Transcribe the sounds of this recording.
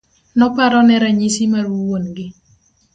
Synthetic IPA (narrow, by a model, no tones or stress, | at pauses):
nɔpaɾɔnɛɾaɲisimarwuwonɡɪ